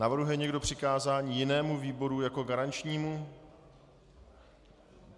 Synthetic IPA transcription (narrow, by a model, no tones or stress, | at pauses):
navr̩ɦujɛɲɛɡdo̞pr̝̥ɪkaːzaːɲiːjɪnɛːmuviːbo̞ɾujako̞ɡaɾant͡ʃɲiːmu